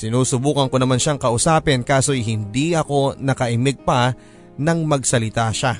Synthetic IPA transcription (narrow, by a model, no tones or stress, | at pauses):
sɪnuːsʊbuːkɐŋko̞nɐmanʃaŋkɐʔʊsaːpɪnkaːso̞jɦɪnd̪iʔɐko̞nɐkɐʔɪmɪɡ̚pɐ | nɐŋmɐɡsɐlɪt̪aʃa